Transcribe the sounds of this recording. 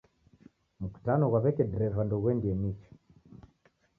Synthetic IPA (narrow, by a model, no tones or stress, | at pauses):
m̩ku̥tanɔɣwaβɛkɛdɛɾɛvandɔɣwɛndiɛmit͡ʃɔ̥